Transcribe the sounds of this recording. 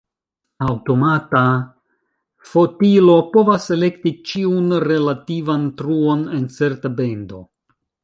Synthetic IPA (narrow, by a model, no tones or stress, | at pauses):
awto̞mata | fo̞tilo̞po̞vase̞le̞ktit͡ʃiunɾe̞lativantɾuo̞ne̞nt͡se̞ɾtabe̞ndo̞̰